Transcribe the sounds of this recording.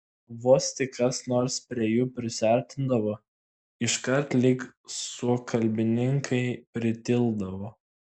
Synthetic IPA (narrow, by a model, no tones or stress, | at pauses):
ʋoːst̪ʲɪkkɐsnoːɾspʲɾʲiɛjuːpʲɾʲɪsʲæˑɾʲt̪ʲɪnd̪ɐʋoː | ɪʃkɐɾt̪lʲɪksʊkʰɐlʲbʲɪnʲɪŋkʰɐɪpʲɾʲɪt̪ʲɪlˠd̪ɐʋoː